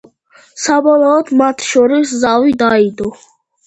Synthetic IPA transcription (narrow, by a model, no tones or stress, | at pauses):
sabɔlˠɔːd̪mat̪ʰʃɔɾiszavid̪aid̪ɔ